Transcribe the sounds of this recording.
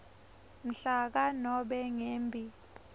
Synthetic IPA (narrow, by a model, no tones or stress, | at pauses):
m̩ɬak̬anɔɓɛŋeːmbʱi